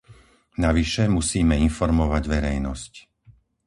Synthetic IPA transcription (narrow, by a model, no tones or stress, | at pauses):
naʋiʃɛmusiːmɛinfɔɾmɔʋaɟʋɛɾɛjnɔsc